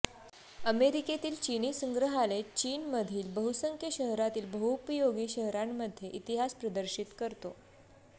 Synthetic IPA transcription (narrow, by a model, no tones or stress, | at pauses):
əmeɾiket̪iːlt͡ɕiniːsəŋɡɾəɦalet͡ɕiːnməd̪ʱiːlbəɦusəŋkʰjəɕəɦɾat̪iːlbəɦupəjoɡiːɕəɦɾamːəd̪ʱːjeʔit̪iɦaspɾəd̪əɾɕit̪kəɾt̪o